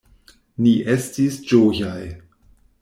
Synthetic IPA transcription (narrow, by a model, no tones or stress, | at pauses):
niʔe̞stisd͡ʒojaj